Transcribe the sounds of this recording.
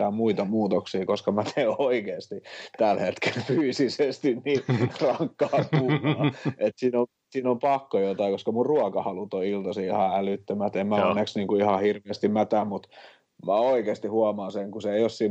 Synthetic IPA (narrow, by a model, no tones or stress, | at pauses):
æːmmuit̪ɑmuːt̪oksiːkoskɑmæt̪ʰeoikeːst̪it̪ælhet̪kelfyːsisest̪inniːrɑŋkːɑːkuːɑet̪siːno | siːnompɑkːojot̪ɑikoskɑmurruɑkɑhɑlut̪oilt̪ɑsiihɑælyt̪ːømæt̪emmæonːeksniːŋkuihɑhirʋeːst̪immæt̪æmmut̪ | mæoikeːst̪ihuɑmɑːnseŋkuseeiossiː